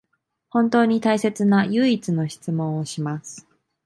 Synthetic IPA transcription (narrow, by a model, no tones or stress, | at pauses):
hõ̞nt̪o̞ːɲ̟it̪aise̞t͡sɨnajɯːit͡sɨno̞ɕi̥t͡sɨmõ̞ɰ̃oɕimasɨ̥